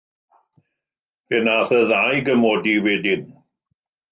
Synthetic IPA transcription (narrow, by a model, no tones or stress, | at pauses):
ɛnaθəðajɡəmɔdiwɛdɪn